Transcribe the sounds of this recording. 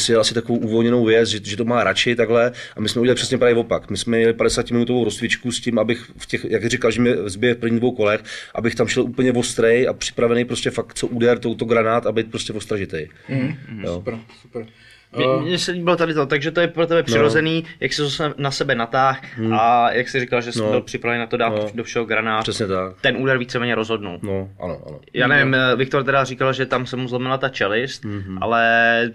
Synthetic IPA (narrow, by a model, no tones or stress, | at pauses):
sɪdalasɪt̪akovowʔuvo̞lɲɛno̞wvjɛt͡sʒɛʒɛt̪omaːɾat͡ʃɪt̪aɡɦlɛʔamɪsmɛuɟʲɛlɪprɛsɲɛpɾaːvjɛvo̞pakmɪsmɛmjɛlɪpadɛsaːcɪmɪnut̪ovowɾo̞st̪vɪt͡ʃkuscɪmabɪx | fcɛxjakrɪkalʒɛmɛzbɪjɛfpr̩vɲid̪vowko̞lɛxʔa̰bɪxt̪amʃɛlʔupl̩ɲɛvo̞st̪ɾɛjʔa̰pr̥ɪ̥pɾavɛnɛjpɾoscɛfak̪̚t͡soʔudɛɾt̪owt̪oɡɾanaːt̪abɛjt̪pɾoscɛvost̪ɾaʒɪt̪ɛj | josu̥pɾ | ɲɛsɛɲibɪlot̪adɪt̪ot̪aɡʒɛt̪ojɛpɾot̪ɛbɛpr̥ɪɾozɛniːjʔaksɪzosɛnasɛbɛnat̪aːxʔajʔaksɪrikalʒɛsɛmbɪlpr̝̥ɪpɾavɛnnat̪odaːt̪dofʃɛɦoɡɾanaːt̪rɛsɲɛt̪akt̪ɛnʔuːdɛɾviːt͡sɛmɛːɲɛɾozɦo̞dnṵlnoʔa̰no̰ʔa̰nojaːnɛvɪmvɪk̚t̪oɾt̪ɛdarikalʒɛt̪amsɛmuzlomɪlat̪at͡ʃɛlɪst̪̚ʔa̰lɛ